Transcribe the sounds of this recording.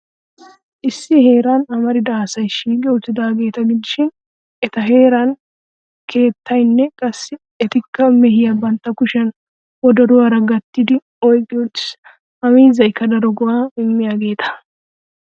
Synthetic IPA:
ʔɪsːɪhe̞ːɾaːnɐmɐɾɪd̪ɐsɐjʃiːkʼɛʊt̪ːɪd̪aːɡe̞ːt̪ɐɡɪd̪ɪʃɪn | ɛt̪ɐɦe̞ːɾan | kʰe̞ːt̪ʰːɐjnːɛkʼɐsːɪ | ɛt̪ɪkːɐmɛhɪjɐbɐnt̪ːɐkʊʃɛn | wɔd̪ɐɾʊwɐɾɐɡɐt̪ːɪd̪ɪ | ɔjkʼːɪjɔt̪ːɪ̥s | ɐmiːzɐjkːɐd̪ɐɾɔɡʊʔaːɪmːɪjaːɡe̞ːt̪ɐ̥

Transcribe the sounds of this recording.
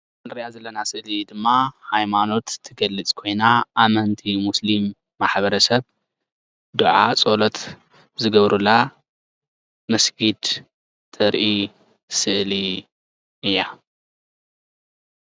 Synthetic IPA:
ɐnɾijazɐlːɐnasɨʔlid̪ɨmːahajmano̞t̪ʰːɨɡɐlːɨt͡sʼkʰo̞jnaʔːmɐnt̪ʰimuslimː | aħβɐɾɐsɐβ | d̪ɨʕat͡sʼolot̪ | zɨɡɐβɾula | mɐsɡid̪ | t̪ʰɨɾʔi | sɨʔli | ʔɨjːa

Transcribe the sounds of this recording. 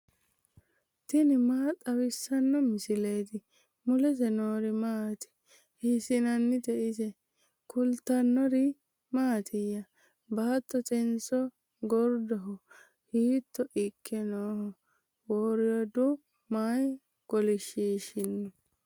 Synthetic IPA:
t̪ɪnɪmaːt̪ʼɐwɪsːɐnːɔmɪsɪleːt̪ɪ | mʊlɛt̪ɛnoːɾɪmaːt̪ɪ̥ | hɪsɪnɐnːɪd̪ɛʔɪsɛ | kʊlt̪ːɐnːɔɾɪ | maːt̪ʰɪjːɐ | baːt̪ːɔt̪ɛnsɔ | ɡɔɾd̪ɔɦɔ | hiːt̪ːɔʔɪkʰːɛnoːhɔ | woːɾɪjɔd̪ʊ | maj | ɡ̥ɔlɪʃiːʃɪnːɔ

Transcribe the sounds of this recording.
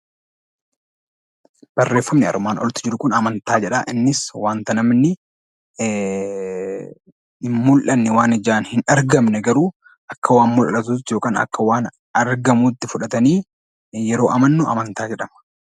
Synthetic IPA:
b̥ɐrːeːfːɐmnɪɐ̰ɾʊmaːnʔɔ̰lt̪ɪ̥d͡ʒɪɾʊkʊnɐmɐnt̪aːd͡ʒɛᶑaʔɪnːɪswaːnt̪ɐnɐmnɪ | ɪmmʊlʔɐnːɪwaːnɪd͡ʒaːnhɪnɐɾɡɐmnɛɡɐɾuː | ʔɐkːɐwaːnmʊlʔɐt̪uːt̪ːjoːkʼaːnɐ̰kːɐwaːn | ɐɾɡɐmuːt̪ːɪfʊᶑɐt̪ɐniː | jɛɾo̞ːʔɐmɐnːʊʔɐ̰mɐnt̪aːd͡ʒɛᶑɐmɐ̥

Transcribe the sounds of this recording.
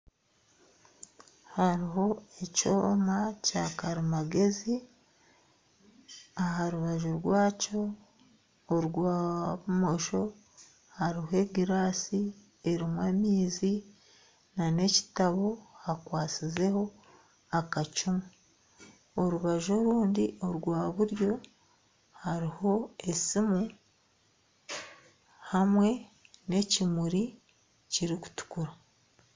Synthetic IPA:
haɾiɦo̞eco̰ːmacakaɾimaɡe̞zi | aɦaɾuβaʒuɾɡwaːco̞ː | ɾɡwaːβumo̞ʃo̞ | haɾiɦoe̞ɡiɾaːsi | e̞ɾimweːmiːzi | nane̞ci̥taβo̞hakwaːsize̞ho̞ | akat͡ʃumu | oɾuβaʒo̞ɾuːndio̞ɾɡwaːβuɾjo̞ | haɾiho̞e̞simu | hamwe̞ne̞cimuɾi | ciɾiku̥tu̥kuɾa

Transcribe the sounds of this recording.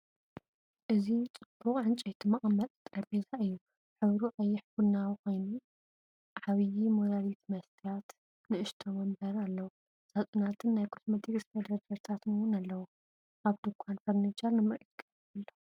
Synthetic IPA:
ʔɨzit͡sʼɨb̥ːuχʼʕɨnt͡ʃʼejt̪ʰimɐχʼmːɐt̪ʼt̪ʼɾɐbezaʔɨjːu | ħɨβɾuʕajːɪħɡunːawko̞jnu | ʕaβijimoɾalit̪mɐst̪ʰijat̪ | nɨʔɨʃt̪ʰomɐmbɐɾalːɐwu | z̥at͡sʼunat̪ʰɨnːajkʰosmɐt̪ʰikʼsfed̪ɐd̪ɐɾt̪ʰat̪nɨwʊnalːɐwu | ʔaβd̪ɨkʷʰːanfɐɾnat͡ʃalnɨmɨɾʔit̪kʼɐf | ɐlːo

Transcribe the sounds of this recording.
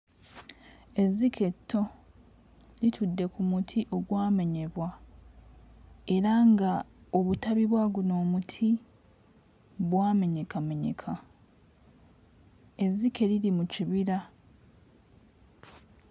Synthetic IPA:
e̞zːikʰe̞tʰːo̞ | litʰudːe̞kumutʰiʔo̞ɡwaːme̞ɲe̞βwa | e̞ɾaŋɡaoβutaβiβwaɡuno̞ːmutʰi | βwaːme̞ɲe̞kame̞ɲe̞̰kʰa | e̞zːike̞lilimuciβiɾa

